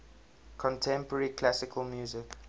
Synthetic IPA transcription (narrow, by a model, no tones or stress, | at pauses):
kʰɔ̃ntʰɛ̃mpəɹikʰlasɪkʰəlmjuːzɪk